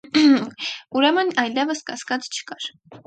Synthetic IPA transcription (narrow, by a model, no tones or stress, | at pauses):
uɾɛmənɑjlɛvəskɑskɑt͡st͡ʃʰə̥kɑɾ